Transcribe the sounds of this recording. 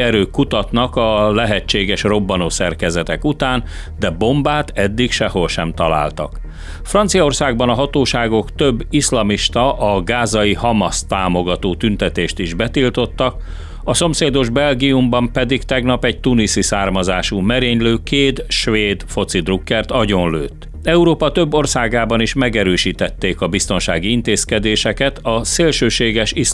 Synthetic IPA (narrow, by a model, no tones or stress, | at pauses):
ɛɾøːkːut̪ɒt̪nɒkɒlɛɦɛt͡ʃːeːɡɛʃro̞bːɒnosɛrkɛzɛt̪ɛkut̪aːn | d̪ɛbo̞mbaːt̪ɛd̪ːikʃɛho̞lʃɛmt̪ɒla̰ːlt̪ɒ̰k | frɒnt̪sijɒo̞rsaːɡbɒnɒɦɒt̪oːʃaːɡo̞kt̪ø̞bːislɒmiʃt̪ɒʔɒɡaːzɒjihɒmɒst̪aːmo̞ɡɒt̪oːt̪ynt̪ɛt̪eːʃt̪iʒbɛt̪ilt̪o̞t̪ːɒk | ɒso̞mseːd̪o̞ʒbɛlɡiumbɒmpɛd̪ikt̪ɛɡnɒpɛɟ̚t̪unisisaːrmɒzaːʃumɛɾeːɲløːkeːd̪ʃʋeːd̪fo̞t̪sid̪rukːɛrt̪ɒɟo̞nlø̰ːt̪ː | ɛuɾoːpɒt̪ø̞bːo̞rsaːɡaːbɒniʃmɛɡɛɾøːʃiːt̪ɛt̪ːeːkɒbist̪o̞nʃa̰ːɡiint̪eːskɛd̪eːʃɛkɛt̪ɒseːlʃøːʃeːɡɛʃis